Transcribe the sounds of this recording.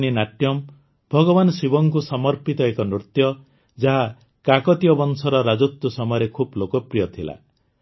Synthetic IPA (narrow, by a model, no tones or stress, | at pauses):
ninaʈjɔm | bʱɔɡɔbanɔsibɔŋkusɔmɔɾpit̪ɔekɔnɾut̪jɔ | d͡ʒaɦa | kakɔt̪ijɔbɔnsɔɾɔɾad͡ʒut̪ːɔsɔmɔjɔɾekʰublokɔpɾijɔt̪ʰila̰